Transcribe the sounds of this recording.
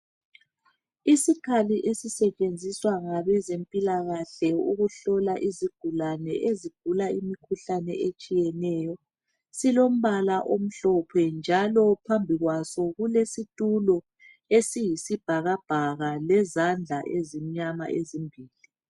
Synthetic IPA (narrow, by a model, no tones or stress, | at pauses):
isikʰaliʔesisɛt͡ʃʼend͡zʱiswaŋaβɛzempʼilaɣaɬɛuɣuɬɔlaʔiziɡ̥ʱulanɛ̰ʔeziɡ̥ʱulaimikʰuɬanɛ̰ʔet͡ʃʼijɛnɛːjɔ | silom̩βalaʔom̩ɬɔpʰɛnd͡ʒʱalɔpʰambʱiɣwasɔɣulesitʼulɔ | esijisib̥ʱaɣab̥ʱaɣalɛzand͡ɮʱaʔezimiɲama̰ʔezimbʱiːli